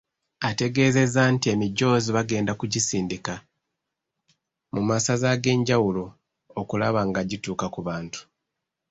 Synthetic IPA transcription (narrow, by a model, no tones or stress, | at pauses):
ate̞ɡe̞ːze̞zantie̞miɟːo̞ːziβaɡe̞ːndakuɟisiːndika | mumasazaɡe̞ːɲɟawulo̞ | okulaβaŋɡaɟituːkakuβaːntu̥